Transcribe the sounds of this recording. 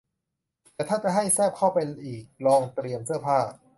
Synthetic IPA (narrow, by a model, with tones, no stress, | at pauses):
t̪ɛː˨˩t̪ʰaː˥˩t͡ɕa˨˩ɦa˥˩jsɛː˥˩p̚kʰa˥˩wpa˧jʔiː˨˩k̚lɔː˧ŋt̪ɾi˧əmsɯ˥˩ɐpʰaː˥˩